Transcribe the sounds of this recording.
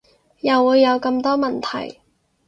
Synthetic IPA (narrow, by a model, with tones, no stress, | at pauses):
jɐ˨˩wːuː˨˧jːɐ˨˧wkɐ˧mt̪ɔː˥mɐ˨nt̪ʰɐ̰˨˩j